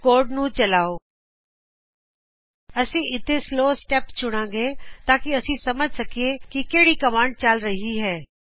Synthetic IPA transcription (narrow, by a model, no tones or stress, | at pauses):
koːɾɖnũt͡ʃɐlaːoː | ɐsĩʔɪt̪ʰesloːsʈɛːpt͡ʃʊɽ̃ãːɡet̪aːkiɐsĩsɐməd͡ʒʱsɐkiekikeːɽikɐmãːɳɖ̚t͡ʃaːlɾɐɦiɦɛː